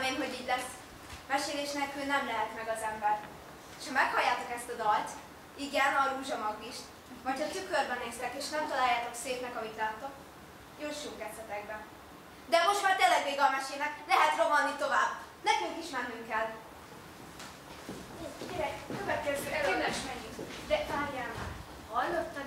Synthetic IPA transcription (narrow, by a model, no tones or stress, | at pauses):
meːnɦo̞ɟiːɟlɛs | mɛʃeːleːʃnɛkylnɛmlɛɦɛt̪mɛɡɒzɛmbɛr | ʃhɒmɛkhɒjːaːt̪o̞kɛst̪ɒd̪ɒlt̪ | iɡɛnɒɾuːʒɒmɒɡːiʃt̪ | vɒcʰɒt̪ykørbɛneːst̪ɛkeːʃnɛmt̪ɒlaːjaːt̪o̞kseːpnɛkɒmit̪laːt̪ːo̞k | juːʃuːŋkɛt̪sɛt̪ɛɡ̚bɛ | d̪ɛmo̞ʃt̪majt̪eːlːɛɡʋeːɡɒmɛʃeːnɛklɛɦɛt̪ro̞mɒnːit̪o̞vaːbː | nɛkyŋkiʃmɛnːyŋkɛl | ekiɾɛkkøvɛt̪̚kɛzyɛllɛʃmɛɡid̪ɛtaːɾjaːnak | hɒjlot̪ːɒ